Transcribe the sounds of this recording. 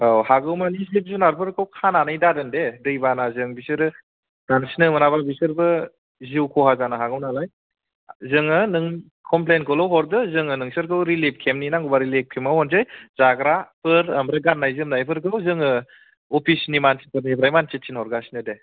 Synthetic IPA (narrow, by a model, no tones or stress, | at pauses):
awhaɡɯwmanizib̚zunaɾpʰɯɾkʰɯwkʰananajdadɯndedɯjbanazɯŋbisɯɾɯ | ɡ̥ansinɯmɯnababisɯɾbɯ | ziwkʰɔɦazanaɦaɡɯwnalaj | zɯŋɯnɯŋ | kʰɔmplenkʰɔlɔwɦɔɾdɯzɯŋɯnɯŋsɯɾkʰɯwɾilep̚kʰemninaŋɡubaɾilek̚pʰimawɔnzajz̥aɡɾapʰɯɾambɾaɡanːajzɯmnajpʰɯɾkʰɯwzɯŋɯ | ɔpʰisnimansipʰɯɾnibɾajmant͡ʃet̚t͡ʃʰinhɔɾɡasinɯde